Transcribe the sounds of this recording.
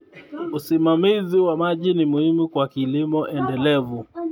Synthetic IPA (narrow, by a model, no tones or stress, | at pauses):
usimamiziwamaʄinimuhimukwakilimɔʔɛndɛlɛvu